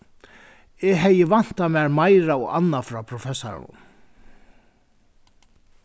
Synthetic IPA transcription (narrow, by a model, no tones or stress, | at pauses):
ɛɣɦejɪvan̥t̪amæːɹmajɾaɔɣa̰nːafɾapʰɾɔfɛsːa̰ɾa̰nʊ̰m